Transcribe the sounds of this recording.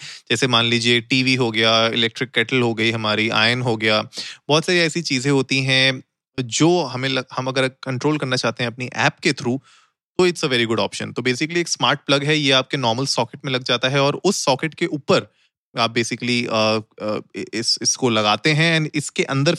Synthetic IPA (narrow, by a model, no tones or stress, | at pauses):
d͡ʒɛːsemaːnliːd͡ʒieʈiːʋiɦoɡɐjaːɪlɛk̚ʈɾɪkːɛːʈəlɦoɡɐiɦɐmaːɾia̰ːɪnɦoɡɐjaːbɔːt̪saːɾiɛːsit͡ʃiːzẽɦoːt̪iɦɛ̃ | d͡ʒoːɦɐmẽlɐhɐmɐɡəɾkɐ̃ɳʈɾoːlkɐɾnat͡ʃaːɦt̪eɦɛ̃ɐp̚niʔɛ̰ːpket̪ʰɾuː | t̪oɪʈsəʋɛːɾiɡʊɖɔ̰ːpʃə̰nt̪obeːsɪkəlieːksmaːɾʈ̚plɐɡɦɛjeaːp̚kenɔːɾməlsɔːkɪʈmẽlɐɡd͡ʒaːt̪aɦɛɔːɾʊsːɔːkɪʈkeʔuːpəɾ | aːp̚beːsɪkəliə | ɪsɪskolɐɡaːt̪eɦɛ̃ɛ̃ːnɪskeʔɐ̃nd̪əɾ